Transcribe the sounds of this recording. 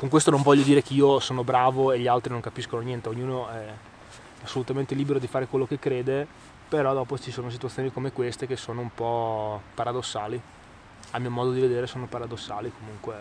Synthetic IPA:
koŋkwest̪onõɱvɔʎːjːod̪iːɾekeiːosoːnobɾaːvoeʎialt̪ɾinõŋkapiskononjɛnt̪eoɲːuːnoɛ | asːolut̪ament̪eliːbeɾod̪ifaːɾekwelːokekːɾeːd̪e | peɾɔd̪ɔːpot͡ʃisoːnos̬it̪wat̪sjoːnikomekwest̪ekesːoːnoumpɔpaɾad̪osːaːli | amːiːomɔːd̪od̪ived̪eːɾesoːnopaɾad̪osːaːlikomuŋkwe

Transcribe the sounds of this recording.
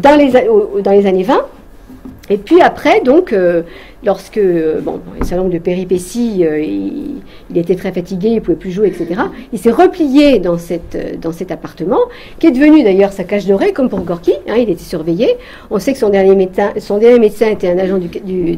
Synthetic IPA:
d̪ɑ̃lezaod̪ɑ̃lezanevɛ̃ | epɥiapχɛd̪ɔ̃kø | lɔʁskəøbɔ̰̃ɛ̰̃sɛ̃lɔ̃d̪əpeʁipesiøi | ilet̪ɛt̪χɛfat̪iɡʲeilpuvɛplyʒweɛkset̪eʁailsɛʁəplijed̪ɑ̃sɛt̪ø̰d̪ɑ̃sɛt̪apaʁt̪əmɑ̃ | kʲiɛd̪əvənyd̪ajœʁsakaʃd̪ɔʁekɔmpuʁɡɔʁkʲiɛ̃ilet̪ɛ̥syʁveje | ɔ̃sɛkə̥sɔ̃d̪ɛʁnjemet̪sɛ̃sɔ̃d̪ɛʁnjemet̪sɛ̃et̪ɛɛ̃naʒɑ̃d̪yd̪y

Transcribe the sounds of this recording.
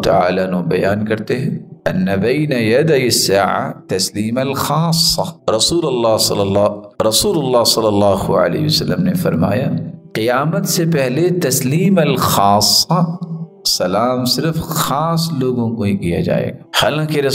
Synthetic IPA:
t̪ɐ̰a̰ːlanõbɐ̰jaːnkɐɾt̪eɦɛ̃ɐnːɐbɐːnɐjɐd̪ɐjɪsːaːʕa̰t̪ɐsliːmɐlxaːsːɑɾɐsuːlɐlːɑːsɐ̰lːlːɑːɾɐsuːlʊlːɑːsɐlːɐlːɑːɦuɐ̰lḛːɦiʋɐsɐlːəmnefɐɾma̰ːjaqɪjaːmət̪sepɛɦlet̪ɐsliːmɐlxaːsːɑ | sɐlaːmsɪɾfxaːsloːɡõkoikija̰d͡ʒa̰ːḛːɡaːhaːlãːkiɾɐ

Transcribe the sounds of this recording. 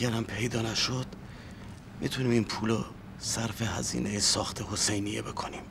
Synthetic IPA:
æɾæmpʰe̞jd̪ɒːnæʃod̪̥ | mit̪ʰuniːminpʰuːlo | sæɾfehæ̰zḭːnʔejesɒːxt̪ʰehosejnijebe̞kʰonim

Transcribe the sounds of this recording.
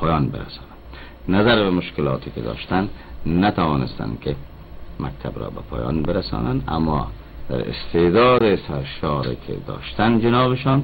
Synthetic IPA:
pʰɒjɒnbɪɾa̰sɑnan | nazaɾbamʊʃkɪlɒːt̪ʰikɪd̪ɒ̰ːʃt̪anːat̪ʰawɒːnɪst̪a̰nkɪ | mʔak̚t̪ʰabɾɔ̰ːbapʰɒːjɒ̰nbɪɾasɒ̰ːnana̰mːɒ̰ | d̪̥a̰ɾɪ̰st̪ed̪ɒːd̪esaɾʃɒːɾekʰḛd̪ɒ̰ːʃt̪and͡ʒɪnɒːβɪʃɒn

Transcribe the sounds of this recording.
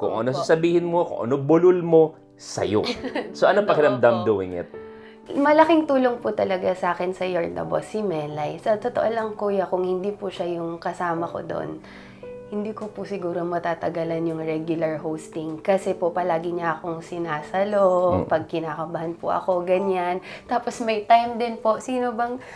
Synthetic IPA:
kʊ̰ŋʔɐ̰nos̬asɐbiːhɪnmoko̰ŋʔɐ̰nobʊlʊlmo̞ | sɐ̰jo̰soʔɐnopɐkɪɾɐmd̪amd̪owɪ̰ŋɪ̰t̪̚ | mɐlɐkɪŋt̪uːlo̞ŋpʊt̪ɐlɐɡasaːkɛnsɐjoɹnɐ̰bosɪmɛlɐjsɐt̪ot̪oʔolɐŋkujɐkʊŋhɪnd̪iːpʊʃajʊŋkɐsaːmɐko̞̰d̪oʔo̰n | hɪnd̪iːkopʊsɪɡuːɾo̞mɐt̪aːt̪ɐɡɐlɐnjʊŋɹɛɡjʊlɐɹɦowst̪ɪŋkɐsɛpopɐlaːɡɪɲɐʔɐko̞ŋsɪnaːsɐloppɐɡ̚kɪnaːkɐbahɐnpʊ̰ʔɐ̰ko̞ɡɐɲant̪aːposmɐjt̪ajmd̪ɪnposiːnobɐŋ

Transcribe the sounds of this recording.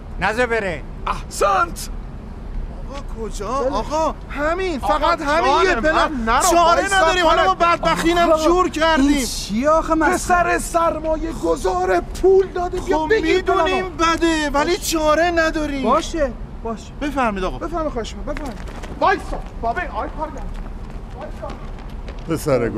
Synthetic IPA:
næzebeɾe | æhsænt̪ | ɒɣɒːkʰod͡ʒɒːɒɣɒhæminfæɣæt̪hæmiebelænæɾt͡ʃɒːɾenæd̪ɒːɾiːmɔlamɒbæd̪̚bæxt̪iːnæʃuɾcʰæɾd̪ĩːmt͡ʃʰieɒxemæpesæɾesæɾmɒːjeɡozɒːɾepʰuld̪ɒːd̪iːoemid̪uniːmbæd̪evæliːt͡ʃʰɒːɾenæd̪ɒːɾiːbmɒːʃeb̥ɒːʃe̥b̥e̞fæɾmiːd̪ɒːɣɒbefæɾmiχɒːheʃomɔbefæɾmid̪vɒjsɔbɒːbeinɒjpʰɔɾɡæn | ɒjsɔ | pʰesæɾḛ

